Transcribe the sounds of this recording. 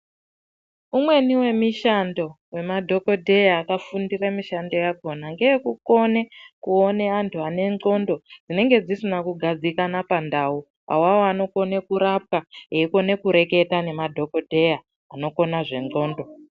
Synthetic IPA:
umwe̞niwe̞miʃando̞ | we̞madʱo̞ko̞dʱe̞jaːkafundiramiʃando̞jako̞naŋɡejekuko̞nekuoneantʰuane̞ŋ͡ǃo̞ndo̞d͡zine̞ŋɡe̞d͡zisinakuɡʱad͡zikanapandau | a̰wawoano̞ko̞ne̞kuɾap̚kaeiko̞ne̞kuɾe̞ke̞tane̞madʱo̞ko̞dʱe̞jaː | no̞ko̞naʐe̞ŋo̞ːndo̞

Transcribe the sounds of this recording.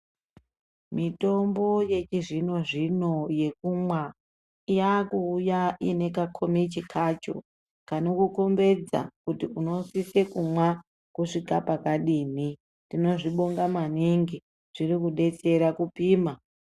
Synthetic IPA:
mito̞mbo̞je̞t͡ʃiʐino̞ʐino̞je̞kumwa | ijakuːjaʔine̞kakʰomit͡ʃikʰat͡ʃo̰ | kanokuko̞mbe̞d͡za̰kutiuno̞sise̞kumwa | kuʂikapakaɗiːni | tino̞ʐiɓo̞ŋɡamaniŋɡi | ʐ̥irikuɗe̞t͡se̞ɾakupiːma

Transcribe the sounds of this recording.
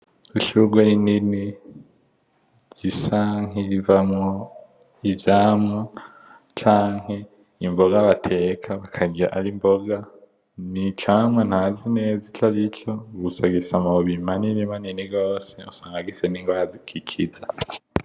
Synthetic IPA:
uʃuɡweinini | z̥isaŋivamŋo | ivjaːmŋa | t͡ʃaːŋhe | imboɡaβatʰekʰaβakʰaɡiaʔaɾimboɡa | nit͡ʃamwan̥hazinezit͡ʃaɾit͡ʃoɡusaɡisamaoβimaniɾimaniniɡo̞ːseusaːŋɡaɡiseniŋɡwahazikʰikʰiza

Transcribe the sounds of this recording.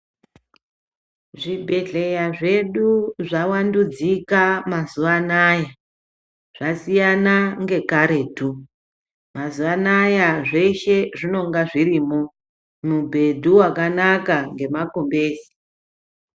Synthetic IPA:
ʐibʱe̞ɮe̞jaʐe̞ɗuʐawandud͡zikamazuʋanaja | ʐ̥asijanaŋɡe̞kaɾe̞ːtu | mazuʋanajaʐe̞ʃe̞ʐino̞ŋɡaʐiriːmo | mubʱe̞dʱuwakanakaŋɡe̞mako̞mbe̞ːsi̥

